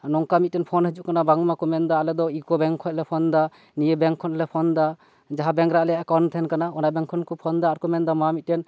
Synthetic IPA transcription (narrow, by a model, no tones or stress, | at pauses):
nɔŋkamit̪̚tɛnpʰɔnhəd͡ʒuʔkanabaŋmakɔmɛnd̪aːlɛd̪ɔikɔbɛŋkʰɔj̚lɛpʰɔnd̪a | nijebɛŋkʰɔnlɛpʰɔnd̪a | d͡ʒaɦabɛŋɾaʔlɛjaʔkawnt̪ʰɛnkanaɔnabɛŋkʰɔnkɔpʰɔnd̪aːɾkɔmɛnd̪amamit̪̚tɛn